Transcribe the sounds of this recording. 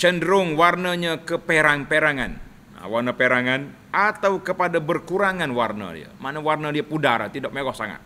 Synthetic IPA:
t͡ʃəndɾʊŋwarnəɲakəpeɾaŋpeɾaŋa̰n | a̰warnəpeɾaŋan | ʔat̪awkəpadabərkuɾaŋanwarnə̰dḭə̰manawarnadiapudaɾa̰t̪idaʔ̚meɡɔhsaŋa̰t̪̚

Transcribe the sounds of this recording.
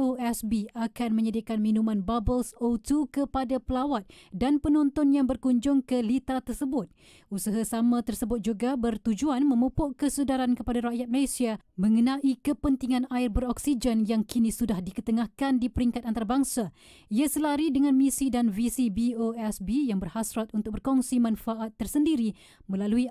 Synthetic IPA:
oɛsbiakanmə̃ɲədiakanmĩnũmãnbabəlsot̪ukəpadapəlawat̪̚danpənɔnt̪ɔnjaŋbərkuɲd͡ʒʊŋkəlit̪ɾat̪ərsəbʊt̪̚ | usaɦasamãt̪ərsəbʊt̪̚d͡ʒuɡabərt̪ud͡ʒuanmə̃mupʊʔkəsudaɾankəpadaɾaʔjat̪̚məlesia | mə̃ŋənãʔikəpənt̪iŋãnaɪrbəɾɔksid͡ʒənjaŋkinĩsudahdikət̪əŋahkandipəɾiŋkat̪̚ant̪aɾabaŋsa | iasəlaɾidəŋãnmisidanvisibioɛsbijaŋbərhasɾat̪unt̪ʊk̚bərkɔŋsimãnfaʔat̪ːərsəndiɾi | mə̃lalui

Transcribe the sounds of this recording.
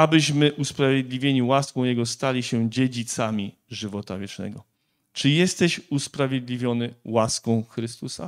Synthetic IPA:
abɘɕmɘʔuspɾavʲjed̪lʲivʲjeɲiwaskɔ̃w̃jɛɡɔst̪alʲiɕɛd͡ʑed͡ʑit̪samʲiʐɘvɔt̪a̰vʲjɛt͡ʂnɛ̰ɡɔ | t͡ʂɘjɛst̪ɛɕuspɾavʲjed̪lʲivʲjɔnɘwaskɔ̃w̃xɾɘst̪usa̰

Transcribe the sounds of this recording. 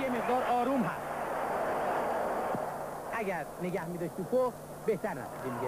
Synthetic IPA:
jemeʁ̚d̪ɒːɾɒːɾuːmɦæst̪ | ʔæɟæɾneɡæhmid̪ɒʃt̪ʰukʰof | beht̪æɾnæ̰suimiɡe

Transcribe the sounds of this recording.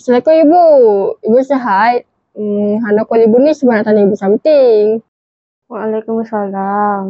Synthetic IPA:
salakoibuibusaɦaj̚ | ɦanakualibunisubanaʔt̪anaibusamt̪iŋ | waalajkumasalam

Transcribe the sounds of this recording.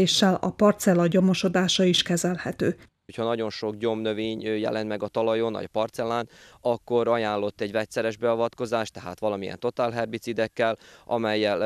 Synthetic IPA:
eːʃːɛlɒ̰pɒrt̪sɛlɒɟo̞mo̞ʃo̞d̪aːʃɒiʃkɛzɛlhɛt̪øː | ocʰhɒnɒɟo̞nʃo̞kɲo̞mnøveːɲøjɛ̰lɛnt̪mɛɡɒt̪ɒlɒjo̞nːɒ̰ɟpɒrt̪sɛlaːnɒkːo̞ɾɒjaːnlo̞t̪ːɛɟvɛc̪sɛɾɛʒbɛɒvɒt̪ko̞zaːʃt̪ɛɦa̰ːt̪ʋɒlɒmijɛ̰nt̪o̞t̪aːlɦɛrbit̪sid̪ɛkːɛlʔɒmɛjːɛl

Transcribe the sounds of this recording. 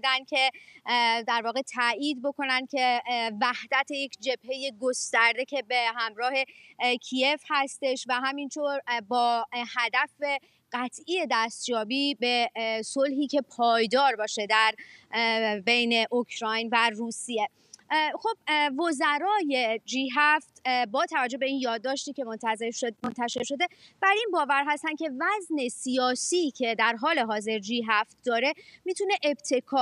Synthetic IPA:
d̪ænd̪̥̚cʰe̞ | d̪æɾvɒːɣe̞t̪ʰæʔiːd̪̚bo̞kʰo̞nænd̪̚cʰe̞væhd̪æt̪ʰejekʰd͡ʒe̞b̥he̞je̞ɡost̪æɾd̪e̞cʰe̞be̞ɦæmɾɒːhe̞cʰie̞fhæst̪e̞ʃvæɦæmint̪ʰoɾbɒːhæd̪æfe | ɢæt̪ʰʔiːje̞d̪æst̪jɒːbiːbe̞so̞lɦiːcʰe̞pʰɒːjd̪ɒːɾbɒːʃe̞d̪æɾ | be̞jne̞ʔokʰɾɒːjnværuːsije | xo̞b̥̚vo̞zæɾɒːje̞d͡ʒiːɦæft̪bɒːt̪ʰævæd͡ʒo̞hbe̞iːnjɒːd̪ːɒːʃt̪iːcʰe̞mont̪ʰæzeɾʃmont̪ʰæʃeɾʃo̞d̪e̞b̥æɾinbɒːvæɾɦæst̪ænd̪cʰe̞væzne̞sijɒːsiːcʰe̞d̪æɾɦɒːle̞ɦɒːze̞ɾd͡ʒiːɦæft̪̚d̪ɒːɾe̞miːt̪ʰune̞ʔebt̪ʰe̞kʰɒː

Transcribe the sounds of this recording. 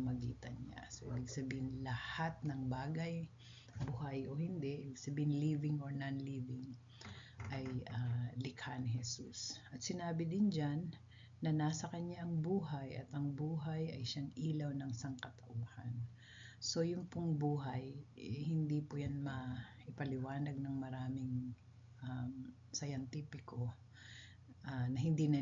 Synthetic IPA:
mɐɡḭːt̪ɐnɲa̰soʔɪbɪɡsɐbiːhɪnlɐhat̪̚nɐŋbaːɡɐj | bʊhajʔohɪnd̪ɛʔɪbɪɡsɐbiːɪnliːvɪŋoɹnanliːvɪŋ | ʔajʔalɪkhanɪhɛsusʔɐt̪̚sɪnaːbɪd̪ɪnd͡ʒanː | ɐnaːsɐkɐɲaʔɐŋbuːɦajʔɐt̪ɐŋbuːɦɐjɐjʃaŋiːlɐwnɐŋsɐŋkɐt̪ɐʔuːhɐn | so̞jʊmpʊŋbuːɦɐjɛhɪnd̪ipʊjanmɐʔɪpɐlɪwaːnɐɡ̚nɐŋmɐɾaːmɪŋ | ʔam | sɐjɐnt̪iːpɪko | ʔanɐɦɪnd̪inɐ

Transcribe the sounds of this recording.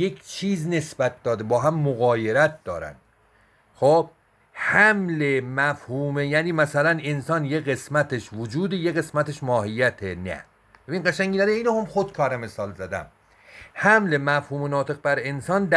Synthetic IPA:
jekt͡ʃʰiːzne̞sbæt̪̚d̪ɒːd̪ebɒːɦæmːoɣɒːjeɾæt̪̚ʰd̪ɒːɾæ̰nd̪̥ | xob̥̚ | hæmlemæfhuːmejæːniːmæsælænensɒːnjeɣe̞smæt̪ʰeʃvod͡ʒuːd̪ejeɣe̞smæt̪ʰeʃmɒːhijːæt̪ʰenæ̰ | b̥ebinɢæʃæŋʲɡiːnæd̪eiːnohomxod̪̚kʰɒːɾæmesɒːlzæd̪æ̰m | hæmlemæfhuːmenɒːt̪ʰe̞ɣ̚bæɾe̞nsɒːnd̪

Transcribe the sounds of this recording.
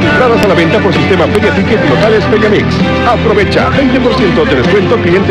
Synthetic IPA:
et̪ɾaðasalaβẽ̞nt̪apoɾsist̪emafeɾjat̪iket̪lot̪alesfeɾjamiks | apɾoβet͡ʃa̰bejnt̪e̞poɾsje̞nt̪od̪eðeskwe̞nt̪oklie̞nt̪

